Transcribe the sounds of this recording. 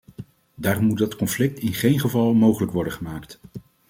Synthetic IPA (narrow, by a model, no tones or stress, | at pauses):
daːrɔmːudɑtkɔnflɪk̚tɪnχejnχəvɑlˠmowχələkʋɔɹdəχəmaːkt